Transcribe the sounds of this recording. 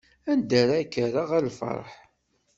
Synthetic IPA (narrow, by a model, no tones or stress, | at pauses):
ænd̪æɾakːəɾaʁælfɑ̰ɾˤħ